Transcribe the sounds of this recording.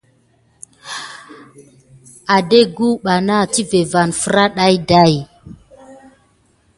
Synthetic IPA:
a˨de˦ɡu˦ɓa˨na˦˨ti˦ve˨va˨nfə˦ɾa˦ɗa˦jda˦˨j

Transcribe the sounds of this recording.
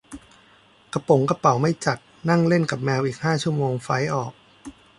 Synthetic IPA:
ka˧po˨˩˦ŋka˧pa˨˦wma˥˩jt͡ɕa˨˩t̪̚na˥˩ŋle˥˩nka˨˩p̚mɛː˧wʔiː˨˩k̚haː˥˩t͡ɕʰu˥˩əmoː˧ŋfa˦˥jʔɔː˨˩k̚

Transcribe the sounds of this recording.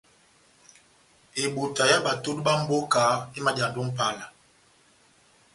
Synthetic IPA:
e˨ɓu˨ta˨ja˦ɓa˨tu˦t̚ɓa˦m̩˦bo˦ka˨˦i˦ma˦d͡ʒa˨ndo˦ŋ˦pa˦˨la˨

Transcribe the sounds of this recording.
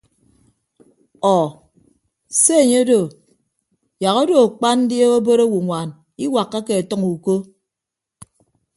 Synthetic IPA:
ɔ˨ | se˦e˨ɲe˦do˨ | ja˨ɣo˦do˨a˨k͡pa˦nn̩˦dje˦o˦bo˦ɾo˦wu˨ŋʷa˨n | i˦wa˨kːa˦ke˨e˨tɔ˦ŋu˨ko˦

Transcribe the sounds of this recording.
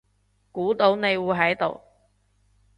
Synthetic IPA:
kuː˨˥t̪o˧wne˨˧jwuː˨˧jɦɐ˨˥jt̪o̰˨w

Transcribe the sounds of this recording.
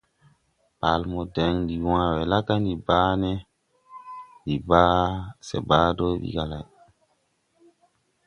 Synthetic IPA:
pa˨lmo˨de˨ŋdi˨wã˨we˨la˦ka˦ndi˨baː˦ne˦ | ɗi˨ba˦sḛ˨baː˦do˦ɓḭ˨ɡa˨la˨j

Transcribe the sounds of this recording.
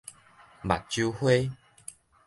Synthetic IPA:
ba̰˨˩t̚t͡ɕu˧hwe˦

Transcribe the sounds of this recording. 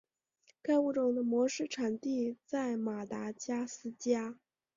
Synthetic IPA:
ka˥˧ɪu˥˩ʈ͡ʂʊ˨˩ŋd̪ə˦mwɔ˧˥ʂɻ̩˥˩ʈ͡ʂʰa˨˩nt̪i˥˧t͡sa˥˩ɪma˨˩t̪a˧˥t͡ɕja˥sɹ̩˥t͡ɕja˥

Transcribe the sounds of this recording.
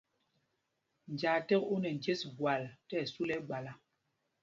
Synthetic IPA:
n̩˨d͡ʒaː˨te˦ku˦nɛ˨n̩˨d͡ʒe˦sɡwa˨ltɛ˦˨su˦lɛ˦ɡ͡ba˨la˨

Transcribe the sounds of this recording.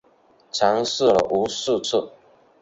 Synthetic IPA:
t͡ɕʰɑ˨˧˥ŋs̩˥˩lə̰˨˩ʔu˧˥s̩˥˧t͡sʰɨ˥˩

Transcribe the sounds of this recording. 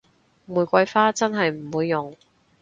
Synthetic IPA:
muː˨˩jkʷɐ˧jfaː˥t͡sɐ˥nɦɐ˨jm̩˨˩wuː˨˧jːʊ˨˩ŋ

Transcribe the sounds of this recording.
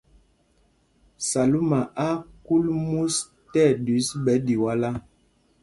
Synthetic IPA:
sa˨lu˦ma˨ʔa˦ku˦lmu˦s | tɛ˦˨di˨˦sbɛ˨˦di˨wa˦la˦

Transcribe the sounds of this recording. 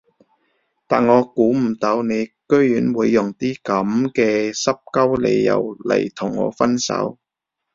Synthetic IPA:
t̪aː˨nŋɔː˨˧kuː˨˥m̩˨˩t̪ɐ˨˧wne˨˧jkɵ˥ɥjyː˨˥nwuː˨˧jːʊ˨˩ŋt̪iː˥kɐ˨˥mkɛː˧sɐ˥p̚kɐ˥wle˧jːɐ̰˨wlɐ̰˨˩jt̪ʰʊ˨˩ŋːɔ̰ː˨˧fɐ˥nsɐ̰˨˥w

